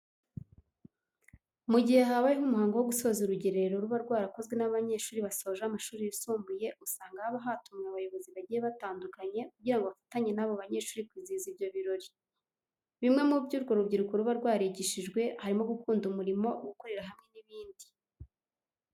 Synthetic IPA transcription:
muɟihe̞haβajihumuhaːŋɡowo̞ɡuso̞zuɾuɟe̞ɾeɾeɾo̞ɾuβaɾɡwaːɾakozɡwe̞naβaɲe̞ːʃuːɾiβaso̞ːʒamaʃuːɾijusumbuje̞ʔusaːŋɡaaβaɦaːtumŋeaβajo̞βo̞ziβaɟijeβataːndukaɲe̞kuɟiɾaŋɡoβafḁtaɲe̞naβoβaɲe̞ːʃuːɾikwiziːzibjo̞βiɾo̞ɾi | βimŋe̞mubɟuːɾɡo̞ɾubɟiɾukoɾuβaɾɡwaːɾeɟiʃiʒɡwe̞haɾimo̞ɡukuːndumuɾimo̞ʔɡuko̞ɾe̞ɾaɦamŋe̞niβiːndi̥

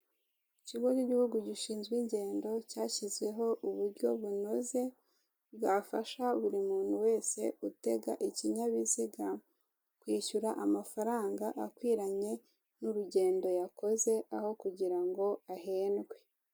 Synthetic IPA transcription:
iciɡociɟihuɡuɟiʃiːnzɡwiːɲɟe̞ːndo̞caːçizɡwe̞ɦo̞ʔuβuɾɟo̞βuno̞ze̞ | βɡaːfaʃaβuɾimuːn̥huwe̞ːse̞̰ute̞ɡaʔiciɲaβiziɡa | kwiːʃuɾaʔamafaɾaːŋɡaʔakwiːɾaɲe̞ | nuɾuɟe̞ːndo̞jako̞ze̞ʔaho̞kuɟiɾaŋɡo̞aɦeːnɡwe̞

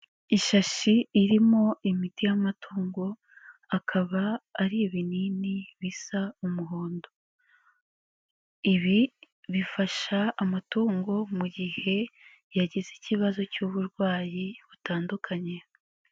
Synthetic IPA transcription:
iʃaʃiːɾimo̞ʔimitijamatʰoːŋɡo̞ | akʰaβaːɾiβininiβisaumuɦoːndo̞ | iβi | βifaʃaːmatoːŋɡo̞muɟihe̞ | jaɟiziciβazo̞cuːβuɾɡwaːjiβutaːndukʰaɲe̞

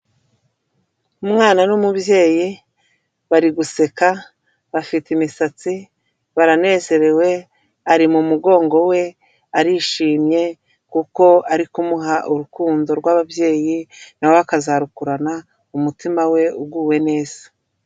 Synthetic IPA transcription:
umŋaːnanumubje̞ːji | βaɾiɡuse̞ka | βafitimisat͡si | βaɾane̞ːze̞ɾe̞we̞ | aɾimumuɡo̞ːŋɡo̞we̞ | aɾiʃiːmɲe̞ | kuko̞aɾikumuɦaʔuɾukuːndo̞ɾɡwaβabje̞ːjinawakazaɾukuɾana | umutimawe̞uɡuːwe̞ne̞ːz̥ḁ

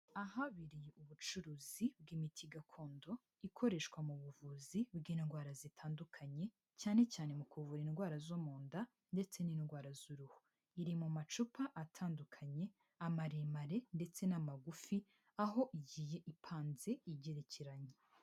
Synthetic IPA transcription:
aɦaβiɾijeʔuβut͡ʃuɾuːzibɡimitʰiɡakʰo̞ːndo̞ | ikʰo̞ɾe̞ʃkwamuβuvuzibɡiːnɡwaːɾazitʰaːndukʰaɲe̞ | caːne̞caːne̞mukuvuɾinɡwaːɾazomoːnda | nde̞t͡se̞ninɡwaːɾazuɾuhu | iɾimumat͡ʃupaʔatʰaːndukʰaɲe̞ | amaɾemaɾe̞nde̞t͡se̞namaɡufi | aɦo̞ʔiɟiːje̞ʔipʰaːnze̞iɟe̞ɾeceɾaɲe

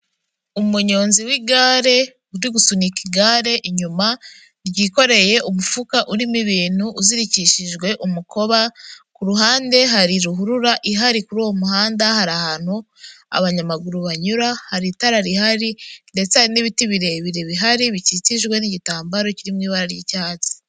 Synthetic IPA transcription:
umuɲo̞ːnziwiɡaːɾe̞ | uɾwiɡusunikiɡaːɾe̞ʔiɲuma | ɾɟiko̞ɾe̞je̞ʔumufukaʔuɾimiβiːn̥huːziɾiciʃiʒɡwe̞ʔumuko̞βakuɾuɦaːnde̞ɦaɾiɾuɦuɾuɾaʔiɦaɾikuɾuwo̞muɦaːndahaɾahaːn̥hu | a̰βaɲamaɡuɾuβaɲuɾahaɾitaɾaɾihaɾinde̞t͡saɾiniβitiβiɾe̞βiɾe̞βiɦaɾiβicit͡siʒɡwe̞niɟitaːmbaɾo̞ciɾimŋiːβaɾaɾjicaːt͡si̥

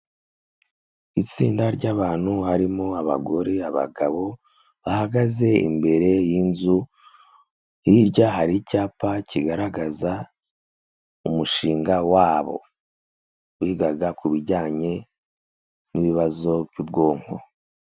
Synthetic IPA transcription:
it͡sḭːndaɾɟaːβaːn̥huhaɾimoaβa̰ɡo̞ɾe̞aβa̰ɡaβo̞ | βahaɡaze̞ḭmbe̞ɾe̞jinzu | hiɾɟaɦaɾicaːpaciɡaɾaɡaza | umuʃiːŋɡawaːβo̞̰ | uhiɡaɡakuβiɾɟaːɲe̞ | niβiβazo̞bjubɡo̞ːŋ̥ho̰

